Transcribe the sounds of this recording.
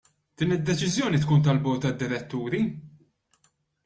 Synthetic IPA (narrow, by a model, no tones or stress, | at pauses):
d̪̥iːnɪd̪ːɛt͡ʃɪzjɔːnit̪kuːnt̪ɐlbɔːt̪ːɐd̪ːɪɾɛt̪ːuːɾi